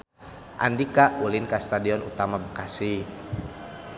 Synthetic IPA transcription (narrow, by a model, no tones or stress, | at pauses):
ʔa̰ndikaʔulinkast̪adiɔnṵt̪amabəkasi